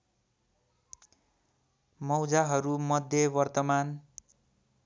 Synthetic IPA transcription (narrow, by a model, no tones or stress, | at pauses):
mʌwd͡zaɦʌɾumʌd̪ʱjʌbʌrt̪ʌman